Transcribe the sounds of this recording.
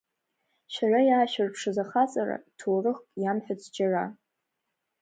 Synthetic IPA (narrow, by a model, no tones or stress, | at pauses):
ʃarajaːʃᶣarpʰʂɨzaχat͡sʼara̰tʰoːrɨχkʼjamħᶣat͡sʰd͡ʒara